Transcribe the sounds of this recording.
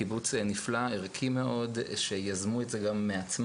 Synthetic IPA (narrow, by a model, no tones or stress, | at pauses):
ibut͡sniflaiʁkʰimeʔo̞d̪ʃejazmuetzeɡamːeat͡sm